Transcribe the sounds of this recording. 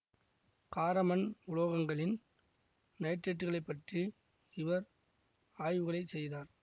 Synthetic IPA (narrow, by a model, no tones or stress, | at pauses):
kaːɾɐmɐnʊɭoːɣɐŋɡɐɭɪn | nɐjʈɾeʈːɣɐɭɐɪpːɐʈri | ɪʋɐɾ | aːjʋɯɣɐɭɐɪsɛjðaːɾ